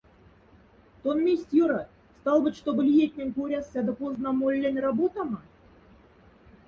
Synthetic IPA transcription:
t̪onmʲesʲt̪ʲjoɾɑt̪ | st̪ɑlˠbɨ̆t̪ʲʃt̪obɘ̆lʲijet̪ʲnʲĕnʲkoɾʲɑsːʲɑd̪ɤ̆poznɑmolʲːænʲrɑbot̪ɑmɑ

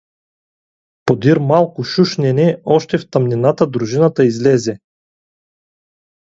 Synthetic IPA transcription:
pod̪iɾmalˠkʊʃuʃnɛnɛɔʃt̪ɛft̪ɐmnʲinat̪əd̪ɾuʒinət̪əizlɛzɛ

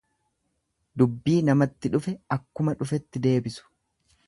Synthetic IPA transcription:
d̪ʊbːiːnɐmɐt̪ːɪᶑʊfɛɐkːʊmɐᶑʊfɛt̪ːɪd̪e̞ːbɪsʊ̥

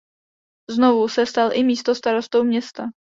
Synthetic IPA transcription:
znovusɛst̪alʔɪmiːst̪ost̪aɾo̞st̪owmɲɛst̪a

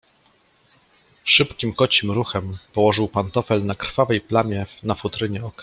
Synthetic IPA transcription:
ʂɘpkʲimkɔt͡ɕimɾuxɛmpɔwɔʐɘwpant̪ɔfɛlnakɾ̥favɛjplamʲjɛnafut̪ɾɘɲɛɔkɾ

